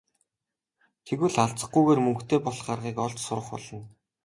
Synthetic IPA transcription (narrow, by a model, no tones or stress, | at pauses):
t̪ʰeɣŭɮaɮt͡sə̆χ̚ɡujɣeːrmɵŋkt̪ʰeːpɔɮɢarʁiːkɔɮt͡ɕsʊɾə̆χpɔ̰ɮɞ̆n